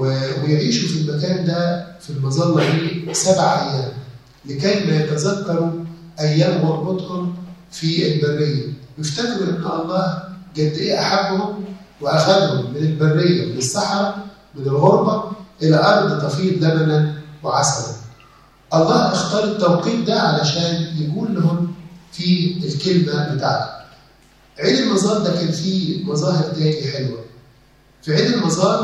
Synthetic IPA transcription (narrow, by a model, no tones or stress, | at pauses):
wejʕiːʃufilmækæːnd̪æfilmɑzˤɑlːɑʔiːsæbʕaʔæjːæːm | lɪkæjmæjæt̪æzækːɑɾˤu | ʔæjːæːmɑɾˤbɑt̪ˤhomfielbærːejːæmɪft̪ækɾuʔenːʔɑlˤːɑːhɡæd̪ːiːʔaħabːhomweʔæxæd̪hʊmːɪnɪlbærːejːæmɪnesːɑħɑɾˤɑ | mɪnɪlɣoɾˤbɑʔɪlæʔɑɾˤd̪ˤt̪ˤɑfiːbzæmænænwɪʕasɑɾˤɑ̰n | ʔɑlˤːɑːhʔɪxt̪ɑːɾˤet̪ːæwqiːt̪d̪æʕalæʃæːnjɪɡuːlːʊhʊmfiːelkelmæbɪt̪a̰ʕt̪hʊ̥ | ʕeːd̪elmɑzˤɑːɾˤd̪ækæːnfiːmɑzˤɑːhɪɾt̪æːliħelwæ | fiʕeːd̪elmɑzˤɑːɾ